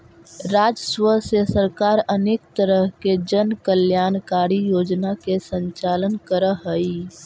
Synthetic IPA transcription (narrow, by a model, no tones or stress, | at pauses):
ɾaːd͡ʒswəsesəɾkaːɾəneːk̚t̪əɾəɦked͡ʒənkəljaːnkaːɾijoːd͡ʒnakesə̃nt͡ʃaːlənkəɾəɦəi